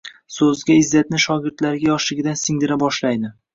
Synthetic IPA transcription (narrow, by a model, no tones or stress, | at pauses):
sɵzɡʲaɪzːat̪̚nɪʃɒɡʲɪɾt̪laɾɡʲajɒʃlɪɡʲɪd̪ansɪŋd̪ɪɾabɒʃlajd̪ɪ